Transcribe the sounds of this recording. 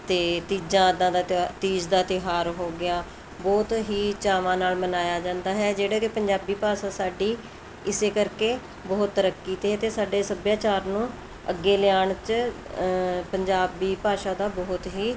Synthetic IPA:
t̪eːt̪iːd͡ʒãːd̪ãːd̪at̪iːd͡ʒd̪aːt̪ɪɦaːɾɦoːɡɪaː | bɔːt̪ɦiːt͡ʃaːʋãːnaːlmənaːjaːd͡ʒãːnd̪aːɦɛːd͡ʒeːɽaːkɪpəɲd͡ʒaːbiːpaːʃaːsaːɖiː | ɪseːkəɾkeː | bɔːt̪ːəɾəkːiːt̪eɦɛːt̪eːsaːɖeːsəbjaːt͡ʃaːɾnũː | əɡːeːlɪjaːɳt͡ʃ | pəɲd͡ʒaːbiːpaːʃaːd̪aːbɔːt̪ɦiː

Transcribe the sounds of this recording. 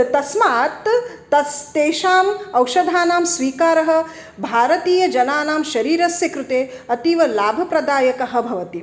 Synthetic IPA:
t̪ɐsmaːt̪ː | ɐst̪eːʃaːmɐwʃɐd̪ʱaːnaːmsʋiːkaːɾɐɦɐ̆ | bʱaːɾɐt̪iːjɐd͡ʒɐnaːnaːmʃɐɾiːɾɐsjɐkɾut̪eːɐt̪iʋɐlaːbʱɐpɾɐd̪aːjɐkɐɦɐ̆bʱɐʋɐt̪i

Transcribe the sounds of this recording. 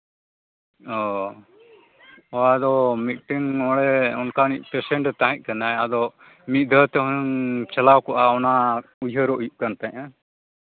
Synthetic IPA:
ɔ | ɔad̪ɔmit̪ʈiŋɔɽɛɔnkaniʔ̚ˀpɛsɛɳʈt̪aɦɛ̃c̚ˀkanajad̪ɔ | miʔ̪̚ˀd̪ʱət̪ɛɦuuŋt͡ʃalawkɔʔaɔnaujɦəɾɔʔjuʔ̚kant̪ɛ̃ɲa

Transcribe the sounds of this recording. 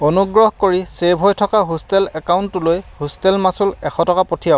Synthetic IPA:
onuɡɹɔhkoɹisebʱɦojtʰɔkaɦostɛlɛkawʊntʊlojhostɛlmasulɛxʰɔtɔkapotʰijaw

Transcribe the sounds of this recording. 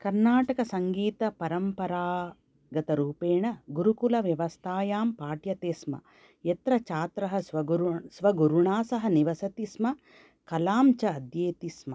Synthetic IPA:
kɐɾnaːʈɐkɐsɐŋɡiːt̪ɐpɐɾɐmpɐɾaː | ɡɐt̪ɐɾuːpeːɳɐɡuɾukulɐʋjɐʋɐst̪ʰaːjaːmpaːʈjɐt̪eːsmɐ̰ | jet̪ɾɐt͡ʃaːt̪ɾɐɦɐʋɐsʋɐɡuɾuɳaːsɐɦɐniʋɐsɐt̪ismɐ | kɐlaːmt͡ʃɐːd̪jeːt̪ismɐ

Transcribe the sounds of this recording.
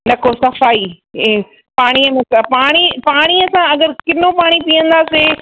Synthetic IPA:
nɐkʰosɐfaːi | paːɽ̃iɐmẽsapaːɽ̃ipaːɽ̃iɐsãɐɡəɾkɪnopaːɽ̃ipiə̃nd̪aːse

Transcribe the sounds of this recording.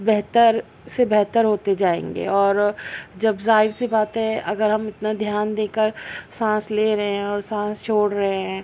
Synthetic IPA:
bɛɦt̪əɾ | sebɛɦt̪əɾɦoːt̪ed͡ʒaːḛ̃ːŋɡḛɔːɾd͡ʒɐbzaːɪɾsebaːt̪ɦɛʔɐɡəɾɦɐmɪt̪nad̪ʱjaːnd̪eːkəɾsãːsleːɾɐɦẽɦɛ̃ɔːɾsãːst͡ʃʰoːɽɾɐɦeɦɦɛ̃ː

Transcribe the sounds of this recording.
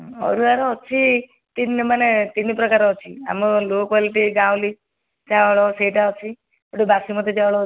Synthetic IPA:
ɔ̰ɾuaɾɔɦɔt͡ʃʰi | t̪inmanet̪inipɾɔkaɾɔɦɔt͡ʃʰia̰mɔlokwaliʈiɡaw̃li | d͡ʒaɭɔseiʈaɔt͡ʃʰi | ɔɽibasimɔt̪ed͡ʒawɭɔ

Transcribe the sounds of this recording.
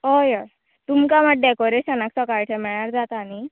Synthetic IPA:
ojə | t̪umkamaʈ̚ɖɛkoɾeɕənaksɔkajʈʰɛmɛɭ̃aɾd͡zat̪aːni

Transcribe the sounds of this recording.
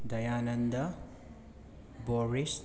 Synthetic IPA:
d̪ɐjanɐnd̪ɐ | boɾis

